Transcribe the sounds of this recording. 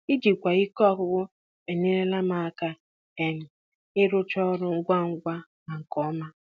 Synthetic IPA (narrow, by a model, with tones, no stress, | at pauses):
i˦d͡ʒi˨kʷa˨i˦kɔ˦ɦʊ˦ɡʊ˦ | e˨ne˦le˦la˦ma˨a˦ka˦ | e˨n̩˨ | ɪ˦ɾʊ˦t͡ʃɔ˦ɾʊ˦ŋ̩˦ɡʷa˦ŋ̩˦ɡʷa˦ma˨ŋ̩˨kɔ˨˦ma˦